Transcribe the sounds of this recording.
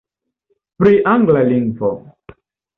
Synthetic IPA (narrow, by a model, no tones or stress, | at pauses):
pɾiʔaŋɡlaliŋɡvɔ